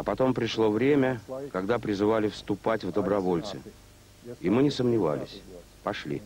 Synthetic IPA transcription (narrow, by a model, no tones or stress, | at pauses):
ɐpɐt̪o̞mpɾʲɪʂlˠo̞vɾʲemʲəkɐɡd̪apɾʲɪzɨvalʲɪfst̪ʊpatʲvd̪əbɾɐvo̞lʲt̪sɨ̰ | imɨnʲɪsəmnʲɪva̰lʲɪ̰sʲ | pɐʂlʲḭ